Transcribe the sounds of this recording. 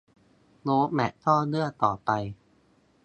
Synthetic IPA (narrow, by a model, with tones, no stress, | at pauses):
loː˦˥mɛ˨˩ʔt̪ʰɔː˥˩lɯ˥˩ət̪ɔː˨˩pa˧j